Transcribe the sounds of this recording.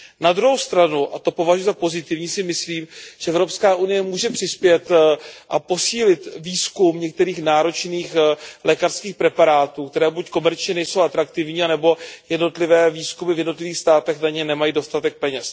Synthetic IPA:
nad̪ɾuɦowst̪ɾanuʔat̪o̞po̞vaʒujɛzapo̞zɪt̪ɪvɲiːsɪmɪsliːmʒ̥ɛɛvɾo̞pskaːʔunɪjɛmuːʒɛpr̥ɪspjɛt̪ʔapo̞siːlɪt̪viːskumɲɛk̚t̪ɛɾiːxnaːɾo̞t͡ʃniːxlʔɛkarskiːxpɾɛpaɾaːt̪uːkt̪ɛɾɛːbucko̞mɛɾt͡ʃɲɛnɛjso̞wʔat̪ɾakt̪ɪvɲiːanɛbo̞jɛdno̞t̪lɪvɛːviːskumɪvjɛdno̞t̪lɪviːxst̪aːt̪ɛxnaɲɛnɛmajiːdo̞st̪at̪ɛk̚pɛɲɛs

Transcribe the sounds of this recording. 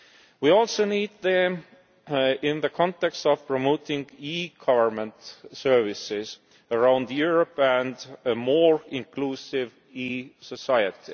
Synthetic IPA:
wiɔlsoʊniːd̪̚ðə | ɪ̃nðəkʰɑ̃nt̪ɛkstɔv̥pʰɹ̥omot̪ɪ̃ŋɡiːɡ̥ʰʌvə˞mə̃nt̪sɜ˞vɪsɪz̥ | əɹãʊ̃nd̪juɹəpæ̃nd̪əmoːɹɪ̃nkluːsɪv | iːsəsajət̪ʰɪ

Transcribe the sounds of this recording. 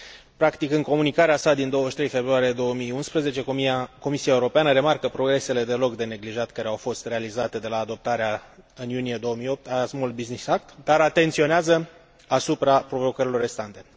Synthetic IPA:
pɾakt̪ikɨŋko̞munikaɾeasad̪ind̪o̞wəʃt̪ɾe̞jfe̞bɾuaɾijed̪o̞wəmiunspɾəze̞t͡ʃe̞ko̞misijaeuɾo̞peanəɾe̞markəpɾo̞ɡɾe̞se̞le̞d̪e̞lo̞kd̪e̞ne̞ɡliʒat̪kaɾeawfo̞st̪re̞alizat̪e̞d̪e̞laːd̪o̞p̚t̪aɾeaɨnjunije̞d̪o̞wəmijo̞p̚t̪aazmulbiznisak̚t̪d̪aɾat̪e̞nt̪sio̞neazə | asupɾapɾo̞vo̞kəɾilo̞rːe̞st̪ant̪e̞

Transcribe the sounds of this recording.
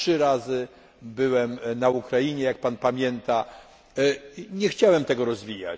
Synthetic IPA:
ʂɘɾazɘ | bɘwɛmnaukɾajiɲɛjak̚panpamʲjɛnt̪a | ɲɛxt͡ɕawɛmt̪ɛɡɔɾɔzvʲija̰t͡ɕ

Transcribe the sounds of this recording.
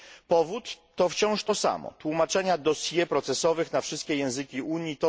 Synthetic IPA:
pɔvut̪ː | ɔft͡ɕɔ̃w̃ʂt̪ɔsa̰mɔ̰t̪wumat͡ʂɛɲad̪ɔsʲjɛpɾɔt̪sɛsɔvɘxnafʂɘst̪kʲɛjɛ̃w̃zɘkʲiʔuɲjit̪ɔ

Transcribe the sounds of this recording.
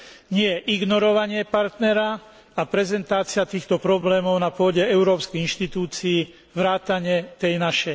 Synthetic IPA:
ɲɪɛʔiɡnɔɾɔʋaɲɪɛpaɾt̪nɛɾa | apɾɛzɛnt̪aːt͡sɪat̪iːxt̪ɔpɾɔblɛːmɔʊnapʊɔɟɛɛʊɾɔːpskɛjinʃt̪it̪uːt͡siː | ʋɾaːt̪aɲɛt̪ɛjnaʃɛj

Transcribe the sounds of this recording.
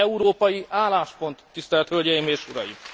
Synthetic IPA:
ɛuɾoːpɒjiʔaːlaːʃpo̞nt̪ːist̪ɛlɛt̪hølɟɛjimeːʃuɾɒ̰jḭm

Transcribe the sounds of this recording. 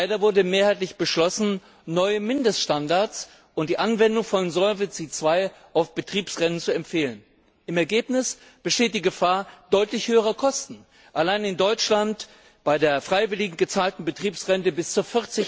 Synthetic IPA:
ɪdɐvʊɐdəmeːɐhaɪtlɪçb̥əʃlɔsn̩ | nɔʏəmɪndəstʃtandaɐt͡s | ʊntd̥iːʔanvɛndʊŋfɔnzɔvɪt͡sit͡sv̥aɪʔaʊfb̥ətʁ̥iːpsʁɛnənt͡suɛmfeːlən | ɪmɛɐɡeːpnɪs | b̥əʃteːt̚d̥iːɡəfaːɐd̥ɔʏtlɪçhøːəʁ̞ɐkʰɔstn̩ | ʔalaɪnɪndɔʏt͡ʃlant | b̥aɪdeːɐfʁ̥aɪvɪlɪɡŋ̩ɡət͡saːltn̩bətʁ̥iːpsʁɛntəbɪst͡suːɐfɪʁt͡sɪ

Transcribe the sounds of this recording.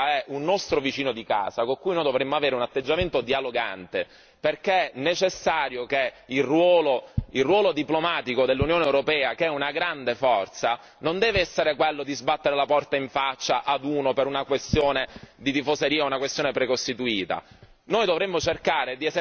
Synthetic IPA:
ɛʔunːɔst̪ɾovit͡ʃiːnod̪ika̰ːzakoŋkuːjnoːjd̪ovɾemːoaveːɾeunat̪ːed͡ʒːament̪od̪ialoɡa̰nt̪e | perkenːet͡ʃesːaːɾjok̟eilrwɔːloilrːwɔːlod̪iplomaːt̪ikod̪elːunjoːnewɾopɛːakeɛunaɡɾand̪efɔrt̪sa | nond̪ɛːveɛsːeɾekwelːod̪izbat̪ːeɾelapɔrt̪aiɱfat͡ʃːaʔad̪uːnopeɾunakwest̪joːned̪it̪ifoseɾiːaunakwest̪joːnepɾekost̪it̪uiːt̪a̰ | noːjd̪ovɾemːot͡ʃerkaːɾed̪ie

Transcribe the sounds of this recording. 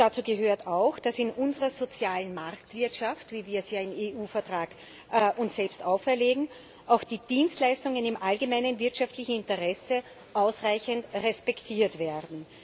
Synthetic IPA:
d̥at͡suːɡəɦøːɐtaʊxd̥asɪnʔʊnzəʁɐzot͡sjaːlənmaʁktv̥ɪɐtʃaftviːviːɐsjaːɪneːʔuːfɛɐtʁ̥aːkː | ʔʊnsz̥ɛlpstaʊfɛɐleːɡŋ̩ | ʔaʊxd̥iːd̥iːnstlaɪstʊŋənɪmʔalɡəmaɪnənvɪɐtʃaftlɪçn̩ɪ̃ntəʁɛsə | ʔaʊsʁaɪçəntʁɛspɛktʰiːɐtv̥ɛɐdn̩

